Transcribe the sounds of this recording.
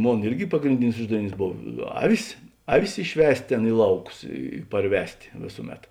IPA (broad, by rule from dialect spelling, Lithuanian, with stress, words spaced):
ˈmoːn ˈɪrʲɡʲɪ pɐɡrʲɪnʲˈdʲɪnʲɪs ˈʊʒdɐʋʲɪˌnʲiːs ˈboːw ˈɑːʋʲɪs ˈɑːˌʋʲɪs ɪʃʲˈʋʲɛsʲtʲ ˈtʲeːn ˈɪ lˠɐʊˌkʊs ɪ pɐrʲˈʋʲɛsʲtʲ ˈʋʲeːsʊˌmʲɛt